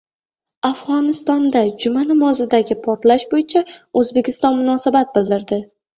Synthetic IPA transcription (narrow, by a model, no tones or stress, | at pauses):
afʁɒnɪst̪ɒnd̪ad͡ʒʊmanɪmɒzɪd̪aɡʲɪpʰɒɾt̪laʃbojɪt͡ʃʰaɵzbekʲʰɪst̪ɒnmʊnɒsabat̪̚bɪld̪ɪɾd̪ɪ